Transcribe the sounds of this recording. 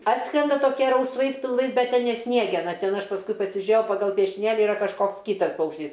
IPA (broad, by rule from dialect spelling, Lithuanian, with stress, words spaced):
ˈɑːtskrʲɛndɐ toːˈkʲiɛ rɐʊsˈʋɐɪs pʲɪlˠˈʋɐɪs ˈbʲɛt ˈtʲɛn nʲɛ ˈsʲnʲiɛɡʲɛnɐ ˈtʲɛn ˈɐʃ pɐsˈkʊɪ pɐsʲɪˈʒʲʊeːjɛʊ pɐɡɐlˠ pʲiɛʃʲɪˈnʲeːlʲɪ ɪˈrɐ kɐʃˈkoːks ˈkʲiːtɐs pɐʊkʃʲˈtʲiːs